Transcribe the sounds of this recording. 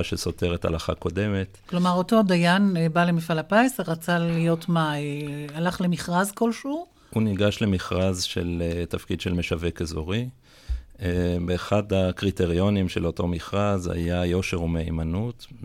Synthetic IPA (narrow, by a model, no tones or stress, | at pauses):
aʃeso̞te̞ʁetha̰laχa̰ko̞de̞me̞tklo̞maʁo̞to̞adajanbalemifalapaeseʁat͡salijo̞tmaealaχlemiχʁazko̞lʃuʁ | huniɡaʃle̞miχʁazʃeletafkidʃelme̞ʃave̞kezoʁi | ebeːχadakʁite̞ʁio̞nimʃelo̞to̞miχʁazha̰jajo̞ʃe̞ʁumeḭmanut